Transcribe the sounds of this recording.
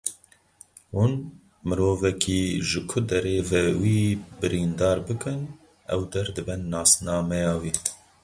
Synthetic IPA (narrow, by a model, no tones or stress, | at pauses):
hun | mɨɾoːvɛkʰiːʒɨkʰʊd̪ɛɾeːvɛwiːbɨɾiːnd̪ɑːɾbɨkɨn | ɛwd̪ɛɾd̪ɨbɛnːɑːsnɑːmɛjɑːwiː